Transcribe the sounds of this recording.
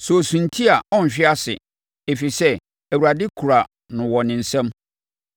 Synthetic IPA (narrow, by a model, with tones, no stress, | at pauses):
sɔ˨sũ˨n̩˨tʰi˦a˨ɔ̃˦n˨ɕᶣɪ˦a˦sɪ̰˨ | e˨fi˨sɛ˦ | æ˨wu˨ɾa˨dɪ˦kʰu˨ɾa˨ | nʊ̃˨wɔ˨nɪ̃˨n̩˨sɛ̃˦m